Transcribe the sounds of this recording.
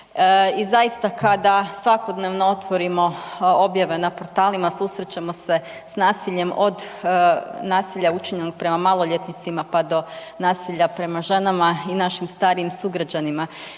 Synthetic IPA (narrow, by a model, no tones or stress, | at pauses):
izajist̪akʰad̪asʋako̞d̪neʋnoo̞t̪ʋo̞ɾimo̞o̞bjaʋe̞napo̞ɾt̪aːlimasusɾet͡ɕemo̞se̞ | snaːsiʎe̞mʔo̞d̪ | naːsiʎaut͡ʃiɲenoɡ̚pɾe̞mamalˠo̞ʎet̪nit̪simapad̪o̞ | naːsiʎapɾe̞maʒe̞namainaʃimst̪aːɾiimsuɡɾad͡ʑanima